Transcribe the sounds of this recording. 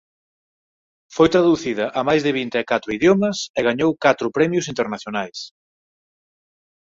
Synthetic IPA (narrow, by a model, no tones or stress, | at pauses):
fojt̪ɾaðuθiðɐʔamajzðɪβint̪eɛkat̪ɾʊiðjomɐsɛɣaɲowkat̪ɾʊpɾɛmjʊsint̪eɾnaθjonajs